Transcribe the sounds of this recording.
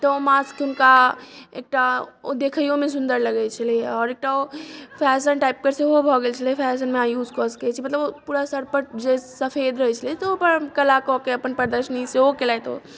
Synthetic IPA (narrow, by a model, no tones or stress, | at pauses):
t̪ɔomaskʊnkaḛk̚ʈao̰d̪ekʰəjõmẽs̬ʊnd̪əɾləɡɛt͡ʃʰəlieɔːɾek̚ʈaopʰɛsənʈaip̚kəɾseɦobʱɔɡelt͡ʃʰəlepʰɛsənmeajuːzkɔsə̥kɛt͡ʃʰimət̪ləbopuːɾasəɾpəɾd͡ʒesəpʰed̪ɾəɦɛt͡ʃʰəliet̪ɔopəɾkəlakɔkeəpənpəɾd̪əɾʃəniseokelajt̪o̰